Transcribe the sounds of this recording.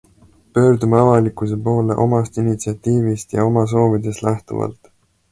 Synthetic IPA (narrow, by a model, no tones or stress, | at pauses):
pø̞ːɾd̪umeɑvɑlikːˑuse̞po̞ːle̞̰ʔo̞mɑst̪init̪siɑt̪ːiːvist̪jɑ̰o̞mɑs̬o̞ːvid̪̥e̞st̪læht̪ṵvɑ̰lt̪ˑ